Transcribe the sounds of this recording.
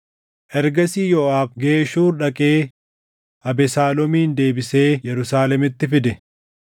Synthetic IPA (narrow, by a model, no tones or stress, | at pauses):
ʔɛɾɡɐsiːjɔʔaːfɡeːʃuːɾᶑɐkʼe̞ː | ʔɐbɛsaːlɔmiːnd̪e̞ːbɪse̞ːjɛɾʊsaːlɛmɪt̪ːɪfɪd̪ɛ